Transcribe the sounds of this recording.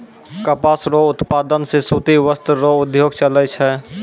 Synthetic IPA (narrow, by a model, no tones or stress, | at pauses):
kəpaːsɾoʊt̪paːd̪ənsesut̪iʋəst̪ɾoʊd̪joːɡt͡ʃəlɛt͡ʃʰɛ